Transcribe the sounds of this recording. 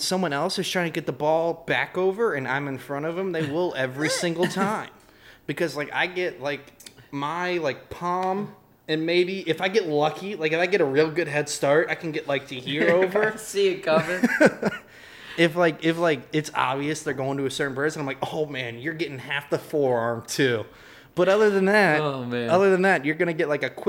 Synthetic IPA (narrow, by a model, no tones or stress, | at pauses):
sʌ̃mwʌ̃ñɛlˠsɨz̥tʰɹ̥aɪɪ̃ŋtʰɨɡɛt̪̚ðəbɔlˠb̥ækoʊvə˞ɨ̃nã̰ɪ̃mɨ̃nfɹʌ̃ɾ̃ʌvɨ̃mðeɪwɪlˠɛvɹisɪ̃ŋɡl̩ˠtʰãɪ̃m | b̥ɨkʰʌzlaɪka̰ɪɡɛt̚laɪkmaɪlaɪk̚pʰɑ̃m | ɨ̃nmeɪbiʔɨfaɪɡɛtˡlʌkʰilaɪkɨfaɪɡɛɾəɹɪlˠɡʊd̚ɦɛd̥stɑɹt̚aɪkɨ̃n̩ɡɛʔlaɪk̚tʰɨhiɹoʊvə˞siɨkʰʌmɨ̃n | ɪflaɪkɪflaɪkɨtsɑ̰bviɨsðə˞ɡoʊɪ̃ŋtɨɨsɜ˞ʔn̩pɜ˞snaɪmlaɪkoʊmæ̃njə˞ɡɛɾɪ̃ŋhæfðəfɔɹɑɹmtʰʉ | b̥ʌɾʌðə˞ðɨ̃nðæt̚omæʌðə˞ðɨ̃nðæt̚jə˞ɡʌñɨɡɛʔlaɪkɨkʰw̥